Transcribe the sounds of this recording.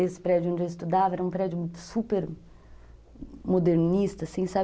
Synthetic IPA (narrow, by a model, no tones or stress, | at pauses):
esɪ̥pɾɛd͡ʒʊõnd͡ʒeist̪ud̪avɐɛɾɐũpɾɛd͡ʒʊsupeɾ | mod̪eɾnist̪ɐsẽj̃sa